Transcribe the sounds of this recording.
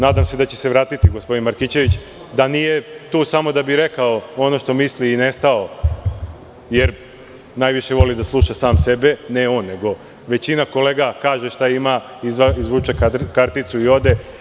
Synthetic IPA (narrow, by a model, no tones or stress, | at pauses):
naːd̪amse̞d̪at͡ɕe̞̥se̞ʋɾaːt̪it̪iɡospo̞d̪inmaɾkit͡ɕe̞ʋit͡ɕ | d̪anije̞t̪uːsamo̞d̪abiɾe̞kaoo̞no̞ʃt̪o̞misliːnest̪ao̞ | je̞ɾ | najʋiʃe̞ʋo̞lid̪aslˠuʃasaːmse̞beneo̞ːnːe̞ɡo̞ | ʋe̞t͡ɕinako̞le̞ːɡakaːʒeʃt̪aima | izizʋuːt͡ʃekakaɾt̪it̪suio̞d̪e̞